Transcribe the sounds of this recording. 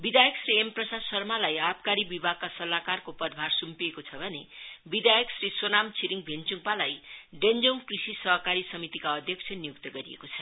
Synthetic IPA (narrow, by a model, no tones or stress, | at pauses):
bid̪ajʌksriemprʌsasʌrmalajapkaɾibibʱaɡ̚kasʌlakarkopʌd̪bʱarsumpiekot͡sʰʌbʱʌnebid̪ajʌksriswonamt͡sʰiɾiŋbʱent͡suŋpalajɖend͡zoŋkrisisʌɦʌkaɾisʌmit̪ikaʌd̪ʱjʌk̚sʰʌnijuk̚t̪ʌɡʌɾiḛkot͡sʰʌ